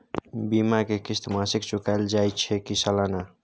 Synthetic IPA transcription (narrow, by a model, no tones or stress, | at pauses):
bimakekɪst̪ʰmãsɪkt͡ʃʊkaeld͡ʒajt͡ʃʰɛkisəlana